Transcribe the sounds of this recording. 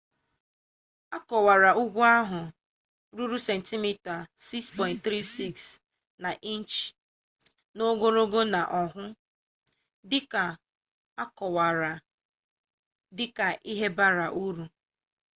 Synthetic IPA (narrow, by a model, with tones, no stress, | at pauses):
a˦kɔ˨wa˨ɾa˨u˦ɡʷu˦a˦ɦʊ˨ | ɾu˦ɾu˦se˨n̩˨ti˦mi˦ta˨si˦kspɔ˨ɪ̃˨nt̚t̪ɾi˦si˦ks | na˨ʔi˦n˦t͡ʃ | no˦ɡo˦ɾo˦ɡo˦na˨ʔɔ˨ɦʊ˦ | dɪ˦ka˨ | a˦kɔ˨wa˨ɾa˨ | dɪ˦ka˨ʔi˦ɦe˦ba˦ɾa˨ʔu˦ɾu˨